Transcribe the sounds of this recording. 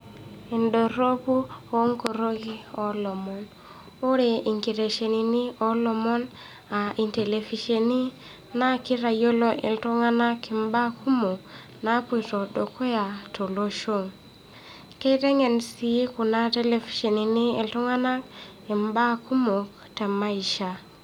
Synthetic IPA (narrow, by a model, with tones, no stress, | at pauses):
ndo˨ɾo˦ku˦o˦ŋko˨ɾo˦ki˦ɔ˨lɔ˨mɔ˨n | o˦ɾe˨ʔi˨ŋki˨ɾe˨ʃe˨ni˨ni˦ɔ˦lɔ˨mɔ˦n | a˨ʔi˨nte˨le˨fi˨ʃe˨ni˦ | na˦ki˦ɾa˨jo˦lo˦ʔḛ˨ltu˦ŋa˦na˦ki˨mba˦kʰu˦mo˨k | na˦pu˦˨jtɔ˨do˨kʰo˦ja˨to˨lo˦ʃo˦˨ŋ | ke˦i˦tɛ˦ŋɛ˨nsi˨˦ku˨na˦te˦le˨fi̥˨ʃe˨ni˨ni˦e˨ltɔ˦ŋa˦na˦k | i˨mba˦ku˦mo˨k | tɛ˨ma˦i˨ʃa˨